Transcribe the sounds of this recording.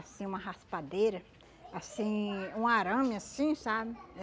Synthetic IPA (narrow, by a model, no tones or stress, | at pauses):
asĩũmɐɦaspad̪ejɾɐ | asĩũaɾɐ̃mjasĩsabɪ